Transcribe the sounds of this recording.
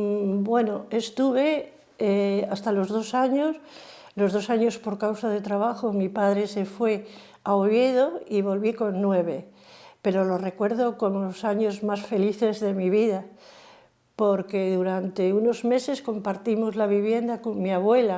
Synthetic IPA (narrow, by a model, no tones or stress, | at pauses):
bwe̞noe̞st̪uβ̞e̞ | east̪alo̞zð̞o̞saɲos | lo̞zðo̞saɲo̞spo̞ɾkawsað̞e̞t̪ɾaβ̞axomipaðɾe̞se̞fwe̞ | aoβje̞ðo̞iβ̞o̞lβiko̞nːwe̞βe | pe̞ɾo̞lore̞kwe̞ɾð̞o̞ko̞molosaɲo̞zmasfe̞liθe̞zðe̞miβiða | po̞ɾke̞ðuɾant̪e̞uno̞zme̞se̞sko̞mpaɾt̪imo̞zlaβ̞iβ̞je̞nd̪ako̞ŋmiaβwe̞la